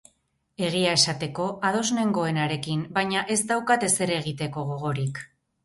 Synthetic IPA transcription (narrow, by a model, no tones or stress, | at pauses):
e̞ɣ̞iae̞sat̪e̞ko̞ʔað̞o̞zne̞ŋɡo̞e̞naɾe̞kimbajɲaʔe̞szd̪awkat̪e̞se̞ɾe̞ɣ̞it̪e̞ko̞ɣo̞ɣo̞ɾik